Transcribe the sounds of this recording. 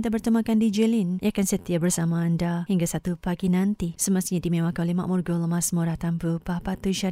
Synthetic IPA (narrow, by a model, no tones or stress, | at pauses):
t̪abərt̪əmãkandid͡ʒəlinjʔakansət̪iabərsamaːndahiŋɡasat̪upaɡinãnt̪isəmast̪iɲadimẽwakanolema̰ʔmurɡɔlmasmuɾaht̪ampəpapat̪uʃa